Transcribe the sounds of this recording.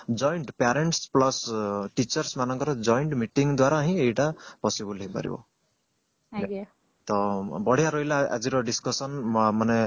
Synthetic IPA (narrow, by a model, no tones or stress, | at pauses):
d͡ʒɔjɳʈpaɾeɳʈsplɔsʈit͡ʃɔɾsmanɔŋkɔɾɔd͡ʒɔjɳʈmiʈiŋɡd̪waɾaːɦĩejʈapɔsibulɦepa̰ɾḭbɔ̰ | t̪ɔbɔɽ̤ʱjaɾɔɦilaa̰d͡ʒiɾɔɖiskɔsɔnmane